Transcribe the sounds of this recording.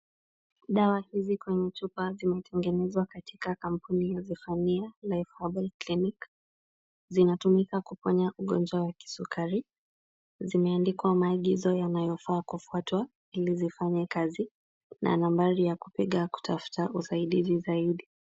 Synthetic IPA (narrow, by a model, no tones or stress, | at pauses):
ɗawahizikwɛɲɛt͡ʃupazimɛtʰɛŋɡɛnɛzwakatʰikakam̩punijazifanialaifabaklinik | zinatumikakupɔɲaʔuɠɔnd͡ʒwawaki̥sukʰaɾi | zimɛandikwamaːɠizɔjanajɔfaːkufuatwa | ilizifaɲɛkazi | nʔa̰nambaɾijaku̥piɠaku̥tafu̥taʔusaiɗizizaiɗi